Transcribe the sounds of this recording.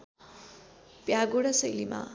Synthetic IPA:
pjaɡoɽʌsʌjlima̰

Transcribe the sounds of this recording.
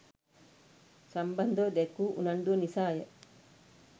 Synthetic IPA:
sɐmbɐnd̪od̪ekuːʔunɐɳɖuɐnisaːjeʔ

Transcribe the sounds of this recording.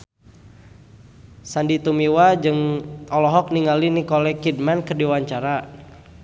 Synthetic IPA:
sandit̪umiwad͡ʒɨŋɔlɔɦɔk̚niŋalinikɔlɛkid̚mɛnkərdiwaɲt͡ʃaɾa

